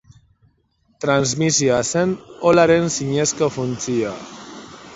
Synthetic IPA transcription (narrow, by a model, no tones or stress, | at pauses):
t̪ɾanzmisioase̞nolaɾe̞nsiɲe̞skofunt͡sia